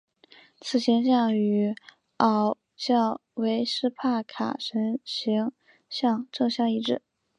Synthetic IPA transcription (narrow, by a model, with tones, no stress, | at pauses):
t͡sʰɹ̩˨˩ɕʰjɛ˧˥nɕjɑ˥˩ŋy˧˥ | ɑ˨˩ʊ | ɕjɑ˥˩ʊwe˧˥ɪʂɻ̩˥pʰa˥˩kʰa̰˨˩ʂə˧˥nɕi˧˥ŋ | ɕjɑ˥˧ŋʈ͡ʂɤ˥˧ŋɕjɑ˥˧ŋi˥˧ʈ͡ʂɻ̩˥˩